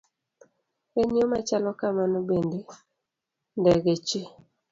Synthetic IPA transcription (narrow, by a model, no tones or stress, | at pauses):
eɲiomat͡ʃalɔkamanobende | ndɛɡet͡ʃe